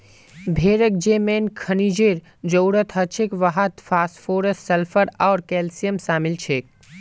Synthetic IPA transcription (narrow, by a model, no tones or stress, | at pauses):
bʱeːɾək̚d͡ʒeːmeːnkʰɐnid͡ʒeːɾ | d͡ʒəwɾət̪ʰɦɐt͡ʃʰekʋɐɦət̪fʰaːsfʰoːɾəssɐlfʰəɾaːɾkɛːlsijəmsaːmɪlt͡ʃʰeːk̚